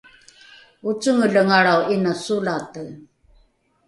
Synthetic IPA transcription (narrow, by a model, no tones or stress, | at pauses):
ut͡suŋəɮəŋaɽawinasulatə